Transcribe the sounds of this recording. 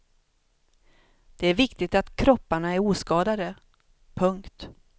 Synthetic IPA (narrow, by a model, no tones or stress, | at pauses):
d̪̥ɛæɾvɪkt̪ɪɡ̚t̪at̪kʰɾɔpːaɳaæɾuːskɑːd̪ad̪ə | pʰɵŋkt̪